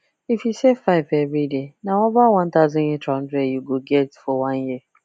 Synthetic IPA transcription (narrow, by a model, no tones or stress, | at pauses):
ifisefaɪvevɹidenaovawãnt̪aʊzɔ̃netɾn̩dɾejuɡoɡɛtfɔwãnji